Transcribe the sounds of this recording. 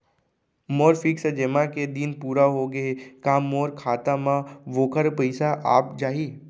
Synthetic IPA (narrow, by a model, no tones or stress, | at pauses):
moːɾfɪksəd͡ʒemãked̪inpuːɾaɦoɡɐekãːmoːɾkʰaːt̪amãʋoːkəɾpɐɪsaʔaːp̚d͡ʒaːɦiː